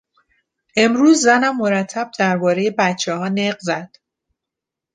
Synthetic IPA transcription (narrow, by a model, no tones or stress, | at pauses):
ʔe̞mɾuːzːænæmːo̞ɾæt̪ʰːæb̚d̪̥æɾbɒːɾeje̞bæt̪t͡ʃʰːehɒːneɢzæd̪̥